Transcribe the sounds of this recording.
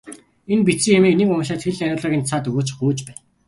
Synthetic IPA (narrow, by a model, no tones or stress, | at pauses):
enpit͡sĭŋjamiːniːkʊm̆ʃaːt̪xeɮæɾʲʊːɮə̆ɣʲiːnt͡sʰaːt̪ɵɣoːt͡ɕχuːt͡ɕpæːn